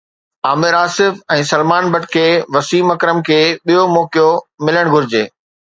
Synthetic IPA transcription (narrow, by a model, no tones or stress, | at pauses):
aːmɪɾaːsɪfɛ̃ːsɐlmaːnbɐʈkʰeːʋɐsiːmɐkɾəmkʰeːɓijomɔːkijomɪləɽ̃ɡʱʊɾɪd͡ʑeː